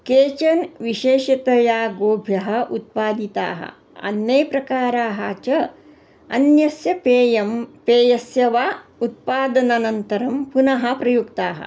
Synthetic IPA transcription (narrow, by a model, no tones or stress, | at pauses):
keːt͡ʃɐnʋiʃeːʃɐt̪ɐjaːɡoːbʱjɐɦɐ̆ʔut̪̚paːd̪it̪a̰ːɦɐ̰ | ɐ̰nːɐjpɾɐkaːɾaːɦaːt͡ʃɐ | ɐ̰njɐsjɐpeːjɐmpeːjɐsjɐʋaːut̪̚paːd̪ɐnɐnɐnt̪ɐɾɐmpunɐɦɐ̆pɾɐjukt̪aːɦɐ̰